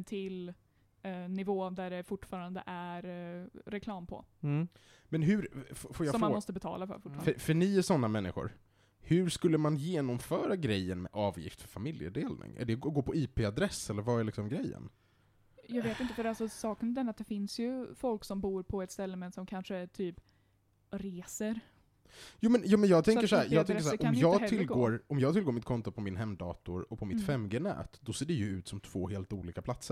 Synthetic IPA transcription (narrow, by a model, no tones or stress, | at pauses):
t̪ʰɪl | nɪvoːd̪æɖɛfʊʈːfɑːɾand̪ə̰ʔæɾɾɛkʰlɑːmpʰɔ̰ | mɛnɦɵɾffoːɾjasɔmːanmɔst̪əbɛt̪ʰɑ̰ːlafœ̰ɾfʊ̥ːfffœɳiːæsɔnːamɛnːɪ̰ɧʊ̰ɾ | hɵɾʂkɵlːəmanjeːnɔmfœːɾaɡɾɛjːənmɛ̰ʔɑːvjɪ̰ft̪fœɾfamɪljə̰d̪eːlnʔɪ̰ŋæ̰ɖɛɡoːpʰɔiːpeːad̪ɾɛsːɛlːəɾvaɛɭɪksɔmɡɾɛjːə̰n | jɑːɡveːt̪ɪnt̪əfœɾalsɔsɑːknd̪ɛnːat̪̚d̪ɛfɪnsjɵfɔlksɔmbuːɾpʰɔɛt̪st̪ɛlːəmɛnsɔmkʰanʂət̪ʰyːp | ɾeːsəɾ | juːmɛnjuːmɛnjɑːɡt̪ʰɛŋkːəʂɔæːɾjɑːt̪ʰɛŋkəʂ̬æʔɔmjɑːɡt̪ʰɪlɡoːɾɔmjɑːɡt̪ɪlɡoːɾmɪt̪̚kʰɔnt̪ʊpʰɔmɪnɦɛmːd̪ɑ̰ːt̪ʊɾɔpʰɔmɪt̪fɛmɡeːnɛ̰ːt̪d̪ɔseːɖɛjɵʉ̟ːt̪sɔmt̪ʰv̥o̰ːɦeːlt̪uːliːkapʰlat̪səɾ